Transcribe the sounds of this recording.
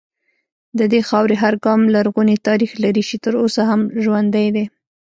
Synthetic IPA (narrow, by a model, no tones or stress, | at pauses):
d̪əd̪exɑwɾeɦaɾɡɑmlaɾɣunet̪ɑɾixlaɾiʃit̪əɾosaɦamʒwand̪ajd̪e